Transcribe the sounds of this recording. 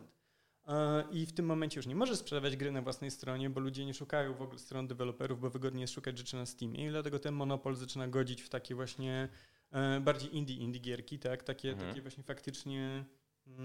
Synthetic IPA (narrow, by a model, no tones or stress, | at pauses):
t̪ | ʔift̪ɘmːɔmɛnɲt͡ɕɛjuʂɲɛmɔʐɛspʂɛd̪avʲjad͡ʑɡɾɘnavwasnɛjst̪ɾɔɲɛbɔlud͡ʑɛɲɛʂukajɔ̃w̃vɔɡulɛst̪ɾɔnd̪ɛvɛlɔpɛɾuvbɔvɘɡɔd̪ɲijɛst̪ʂukad͡ʑʐɛt͡ʂɘnast̪ʲimʲjɛ̰id̪lat̪ɛɡɔt̪ɛnmɔn̪ɔpɔlzat͡ʂɘnaɡɔd͡ʑit͡ɕft̪akʲɛvwaɕɲɛ | baɾd͡ʑejʔind̪ʲiʔind̪iɡʲjɛɾkʲit̪akt̪akʲɛt̪a̰kʲɛvwaɕɲɛfakt̪ɘt͡ʂɲɛ